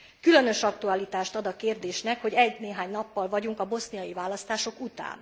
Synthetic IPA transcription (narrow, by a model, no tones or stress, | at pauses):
kylø̞nø̞ʃɒk̚t̪uɒlit̪aːʃt̪ɒd̪ɒkeːrd̪eːʃnɛkho̞ɟɛɟneːɦaːɲnɒpːɒlvɒɟuŋkɒbo̞snijɒjivaːlɒst̪aːʃo̞kut̪a̰ːn